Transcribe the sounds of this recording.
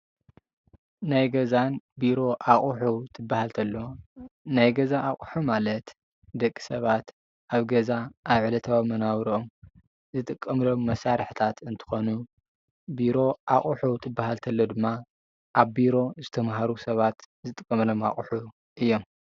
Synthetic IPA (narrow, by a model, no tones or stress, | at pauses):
najɡɐzanbiɾo̞ʔaχʼuħuwt̪ʰɨbːahalt̪ʰɐlːo̞najɡɐzaʔːχʼħumalɐt̪ | d̪ɐkʼːi̥sɐβat̪ | ʔaβɡɐzaʔːβʕɨlɐt̪ʰɐβamɐnawɾiʔom | zɨt̪ʼɨkʼːɐmlo̞mːɐsaɾɨħt̪ʰat̪ɨnt̪ʰɨ̥xo̞nu | biɾo̞ʔaχʼuħut̪ʰɨbːahalt̪ʰɐlːo̞d̪ɨmːa | ʔaβbiɾo̞zɨt̪ʰɐmɦaɾusɐβat̪ | zɨt̪ʼɨkʼːɐmɐlo̞ma̰χʼuħu | ʔɨjːo̞m